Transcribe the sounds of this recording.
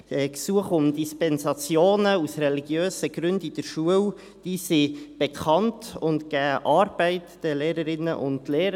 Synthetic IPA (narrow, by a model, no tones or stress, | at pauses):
ɛksuəχʊmdispɛnsɑt͡sjoːnəusrɛliɡjøːsəɡ̥ɾʉndid̥əɾʃuəw | d̥isib̥ekʰɑntʊntɡ̥æːʔɑːɾb̥ɛɪtd̥əleːɾəɾɪnːə̰ʔʊ̰ndleːɾə